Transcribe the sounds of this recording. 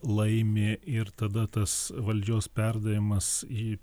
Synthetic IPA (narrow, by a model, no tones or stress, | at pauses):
lˠɐɪmʲeːɪrt̪ɐd̪ɐt̪ɐsʋɐlʲd͡ʒʲoːspʲɛrd̪ɐʋʲɪmɐsiː